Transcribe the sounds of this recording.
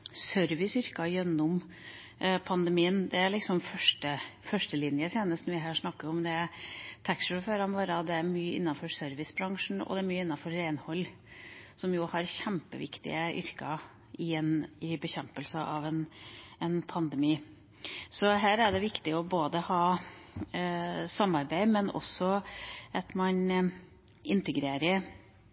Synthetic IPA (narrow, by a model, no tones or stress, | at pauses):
sœɾʋɪsʏɾkɑjɛnːʊm | pʰɑnd̪əmiːənd̪ɛæɭɪksɔmfœʂʈəfœʂʈəlɪnjət̪ʰjeːnəst̪nɔʋɪɦæːʂnɑkːəɾɔmd̪ɛæt̪ʰækʂəføːɾɑnʋoːɾəɑd̪ɛæɾmyːəʔɪ̰nːɑnfɔɾsœɾʋɪsbɾɑŋʂn̩ɔ̰d̪ɛæɾmyːɪnːɑnfɔɾːeɪnhɔlː | sɔmjʊhɑɾçæmpəʋɪ̰kt̪ɪ̰əʔʏ̰ɾkə | ɪɛnɪbəçɛmpəlsəʔɑʋɛnɛnpʰɑnd̪əmiː | sɔɦæːɾæɖɛʋɪkt̪ɪɔboːd̪əhɑː | sɑmːɑɾbæɪmɛnʔɔ̰sɔʔɑt̪mɑn | ɪnt̪əɡɾeːɾə